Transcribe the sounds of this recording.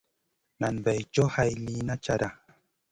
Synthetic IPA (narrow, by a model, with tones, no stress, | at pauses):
na˨nba˨jt͡ʃo˦hajli˦na˦t͡ʃaɾa